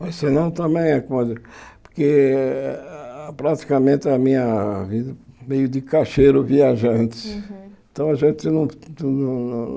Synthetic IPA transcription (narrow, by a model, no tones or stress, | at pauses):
ɐsɨnɐ̃w̃t̪ɐ̃mẽj̃ɛkomɐipuɾke | pɾat̪i̥kɐmẽnt̪amĩɲɐviðɐmejud̪ɨkaʃejɾuviaʒɐ̃nt̪ẽt̪ɐ̃w̃ɐʒẽnt̪enɐ̃w̃t̪unɐ̃ñ